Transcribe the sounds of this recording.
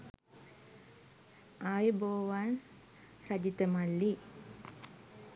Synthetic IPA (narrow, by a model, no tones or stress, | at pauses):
ajeboːʋan | ɾad͡ʒit̪əmalːi